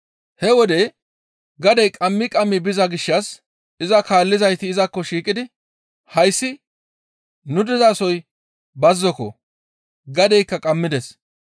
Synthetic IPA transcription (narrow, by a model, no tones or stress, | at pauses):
hɛwɔd̪ɛ | ɡɐd̪ɛjkʼɐmːɪkʼɐmːɪbɪzɐɡɪʃːɐs | ɪzɐkaːlːɪzɐjt̪ɪːzɐkːɔʃiːkʼɪd̪ɪ | hɐjsːɪ | nʊd̪ɪzasɔj | bɐzːɔkɔ̰ | ɡɐd̪ɛjkːɐkʼɐmːɪd̪ɛs